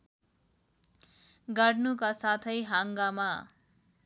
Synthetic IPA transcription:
ɡʌɽnukasat̪ʰʌjɦaŋɡama

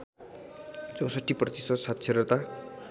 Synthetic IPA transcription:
t͡sʌwsʌʈːiprʌt̪isʌd̪sat̪sʰeɾʌt̪a

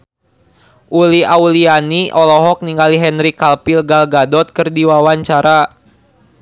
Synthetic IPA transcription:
ʔuliaulianiʔɔlɔɦɔk̚niŋɡaliɦɛnɾikalpilɡalɡadɔt̪̚kɨrdiwawaɲt͡ʃaɾa

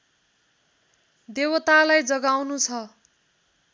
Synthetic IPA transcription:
d̪ewʌt̪alajd͡zʌɡawnut͡sʰʌ

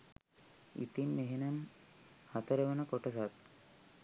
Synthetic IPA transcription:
ḭt̪inːeɦenanhat̪əɾeʋənəkoʈəsat̪̚

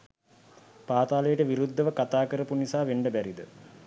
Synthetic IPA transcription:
paːt̪aːləjəʈəʋiɾud̪ʱːəʋəkat̪aːkəɾəpunisaːʋeɳɖəbæɾid̪ə

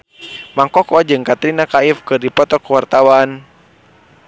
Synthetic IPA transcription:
maŋkɔkɔd͡ʒɨŋkat̪ɾinakaifkɨrdipɔt̪ɔkəwart̪awan

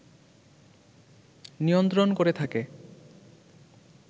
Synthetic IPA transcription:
nijont̪ɾonkoɾet̪ʰake

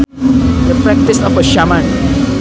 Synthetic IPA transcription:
dəpɹɛk̚tisɔfəʃamãn

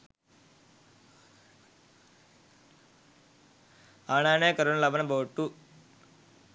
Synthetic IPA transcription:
aːnaːneːkɐɾunlɐbɐnɐboːʈːu

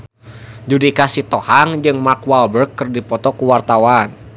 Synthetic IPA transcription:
d͡ʒudikasit̪ɔhaŋd͡ʒɨŋmarkwalbərkːɨrdipɔt̪ɔkuwart̪awan

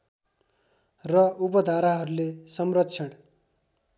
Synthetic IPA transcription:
rʌupʌd̪ʱaɾaɦʌɾulesʌmrʌtːt͡sʰʌɽ

